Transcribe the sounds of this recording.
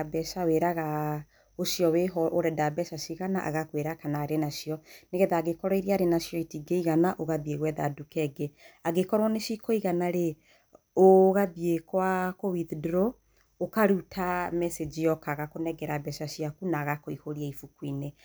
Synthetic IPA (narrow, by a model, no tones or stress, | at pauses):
abɛʃaweɾaɣa | oʃjɔweɦɔʔoɾɛdabɛʃaʃiɣana̰ʔa̰ɣakweɾakanaːɾenaʃijɔneɣɛðaːɡekɔɾaiɾiaɾenaʃijɔitiɡeiɣanaʔoɣabieɣwɛða̰dukɛɡeaɡekɔɾwɔneʃikoiɣanaɾe | oɣabiekwakowiðdɾo | okaɾutʰamɛsed͡ʒijɔkaɣakonɛɡɛɾabɛʃaʃiakunaːɣakoihoɾiaifukwine